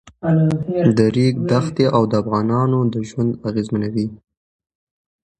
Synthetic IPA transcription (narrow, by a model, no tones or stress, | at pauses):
d̪əɾikd̪axt̪eʔawd̪əafɣɑnɑnod̪əʒwand̪aɣezmanawi